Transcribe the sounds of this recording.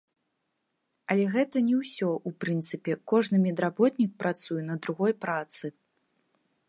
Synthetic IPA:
ɐlʲɛɣɛt̪ɐnʲɛwsʲɔʔupɾɨnt̪sɨpʲɛkɔʐnɨmʲɛd̪ɾabɔt̪nʲik̚pɾat̪sujɛnɐd̪ɾuɣɔjpɾat̪sɨ

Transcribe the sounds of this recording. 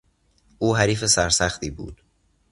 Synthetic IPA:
ʔuːɦæɾiːfe̞sæɾsæxt̪iːbṵːd̪̥

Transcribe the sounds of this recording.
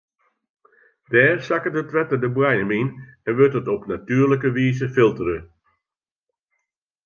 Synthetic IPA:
dɛːrsakətətʋɛtədəbwɛjnəminɛnʋøtətɔpnatyːrləkəʋiːzəfɪlˠtərə

